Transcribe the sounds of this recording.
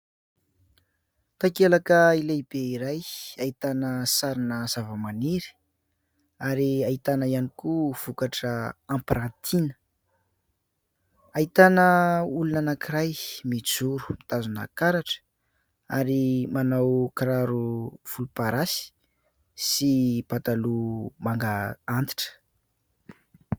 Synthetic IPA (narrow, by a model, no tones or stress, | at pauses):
t̪akelakəileb̥eiɾajait̪anəsaɾinəz̥avəmaniɾi̥ | aɾiait̪anəianikuv̥ukaʈ͡ʂəampɾant̪ʰinə̥ | ait̪anəulunanakiɾajmid͡zuɾu̥mt̪azuna̰kaɾaʈ͡ʂə̥ | a̰ɾimanawkɾaɾuv̥ulupaɾasi̥ | sipat̪alumaŋɡaant̪i̥ʈ͡ʂə̥